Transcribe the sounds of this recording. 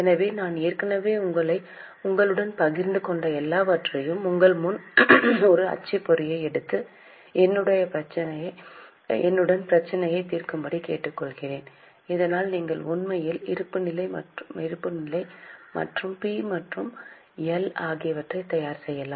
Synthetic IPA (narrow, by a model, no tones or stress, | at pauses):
ɛnɐʋeːnaːneːɾkɐnɐʋeːʊŋɡɐɭɐɪ | ʊŋɡɐɭɯɽɐnpɐɣɪɾnd̪ɯkɔɳɖɐɛlːaːʋɐʈrɐjɯmʊŋɡɐɭmʊn | ɔɾɯɐ̰t͡ʃːɪpːɔɾɪjɐɪɛɽɯt̪ːɯ | ɛnːɯɽɐjɐpɾɐt͡ʃːɐnɐjɐ | ɛnːɯɽɐnpɪɾɐt͡ʃːɐnɐjɐɪt̪iːɾkɯmbɐɽikḛːʈːɯkːɔɭɣɪreːn | ɪðɐnaːlniːŋɡɐɭʊnmɐjɪlɪ̰ɾɯpːɯnɪlɐɪmɐ̰ʈɪɾɯpːɯnɪlɐɪmɐ̰ʈrɯmpiːmɐʈrɯm | ɛlaːɣɪjɐʋɐʈrɐɪt̪ɐjaːɾsɛjːɐlaːm